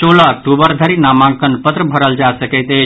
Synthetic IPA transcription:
t͡ʃoːlaʈ̪ubəɾd̪ʱəɾinaːmãŋkənpət̪ɾəbʱəɾəld͡ʒasəkət̪e

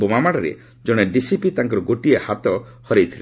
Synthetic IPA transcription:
omamaɽɔɾḛ | d͡ʒɔɽ̃eɖisipit̪aŋk̬ɔɾɔɡoʈiehat̪ɔ | hɔɾejt̪ʰile

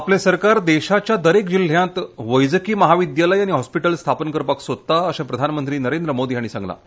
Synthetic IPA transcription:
aplẽsəɾkaɾd̪eɕat͡ɕjad̪əɾekd͡ʑil̤ːjãt̪ʋəjd͡zəkiːməɦaʋid̪jaləjaɽ̃iɦɔspiʈəlst̪ʰapənkəɾpaksod̪̚t̪aəɕãpɾəd̪ʱanmənt̪ɾiːnəɾend̪ɾəmod̪iːaɽ̃isã̰ŋɡla̰

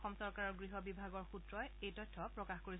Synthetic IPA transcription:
xɔmsɔɹkaɹɔɹɡɹiɦɔbibʱaɡɔɹxutɹɔjejtɔjtʰːɔpɹɔkaxkoɹi

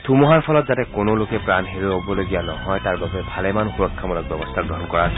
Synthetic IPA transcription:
tʰumɔɦaɹpʰɔlɔtzatɛkonolokɛpɹanɦeɹiobɔloɡijanɔɦɔjtaɹbabɛbʱalɛmanxuɹɔkʰːamɔlak̚bɔbɔstʰaɡɹɔɦɔnkɔɹa

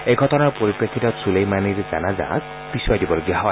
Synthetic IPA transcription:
ejɡʱɔtɔnaɹpoɹipɹekʰitɔtsulejmaniɹza̰naza̰k̚ | b̥iswajdibɔloɡijaɦɔj

